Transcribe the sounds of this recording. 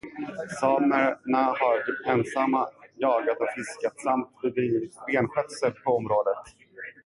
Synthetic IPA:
sɑːməɾnahaɾɛnsamːajɑːɡat̪ɔfɪskat̪samt̪̚bɛd̪ɾiːvɪt̪beːnɧœt̪səɾpʰɔɔmɾoːd̪ət̪

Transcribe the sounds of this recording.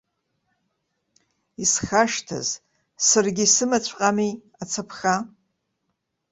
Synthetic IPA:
isχaʂtʰa̰z | sarɡʲisɨmat͡ɕʷʰʼqʼami | at͡sʰapʰχa

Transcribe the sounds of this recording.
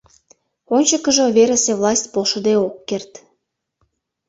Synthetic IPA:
onʲt͡ɕəkə̆ʒŏβeɾesevlˠɑsʲt̚ʲpolʃə̆d̪eokːert̪

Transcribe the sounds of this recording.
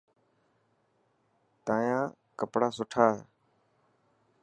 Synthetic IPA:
t̪ãːjãː | kəpɽaːsʊʈʰaːɦeː

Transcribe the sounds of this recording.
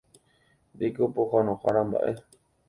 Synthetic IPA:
d̪ekopoxanõxaɾamba̰ʔe̞

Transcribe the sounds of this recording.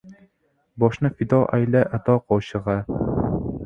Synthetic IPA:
bɒʃnɤfid̪ɑʔæ̰læʔæt̪ɒqɒlˠɕɤ̆ʁɑ

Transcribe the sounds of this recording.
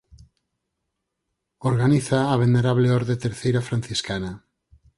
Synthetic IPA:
oɾɣaniθaːβ̞eneɾaβleɔɾðet̪eɾθejɾafɾan̟θiskana

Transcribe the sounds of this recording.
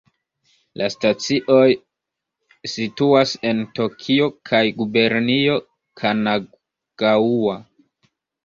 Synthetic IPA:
lʔastat͡siʔo̞j | situase̞nto̞kʰio̞kʰajɡube̞ɾnio̞ | kʰana | ɡ̥aua

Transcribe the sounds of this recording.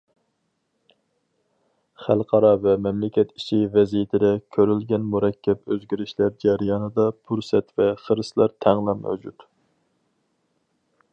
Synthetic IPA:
χælˠqʰɑɾɑvɛmɛmlɪkʲɛt̪i̥ʃivɛzijɪt̪ʰɪd̪ɛkʲʰøɾylɡʲɛnmuɾɛkʲʰːɛpøzɡʲiɾɪʃlæɾd͡ʒɛɾjɑnɨd̪ɑpʰuɾsɛt̪vɛχəɾɨslˠɑɾt̪ʰæŋlˠɑmæ̰vd͡ʒut̪

